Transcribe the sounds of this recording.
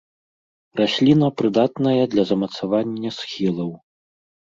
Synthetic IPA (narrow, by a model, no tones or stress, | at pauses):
rasʲlʲinɐpɾɨd̪at̪nɐjɐd̪lʲɐzɐmɐt̪savanʲːɐsxʲilˠɐw